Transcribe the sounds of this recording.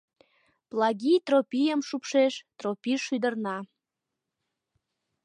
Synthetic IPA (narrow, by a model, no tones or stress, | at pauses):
plˠɑɡʲit̪ropʲijəmʃupʃeʃt̪ropʲiʃyd̪ərnɑ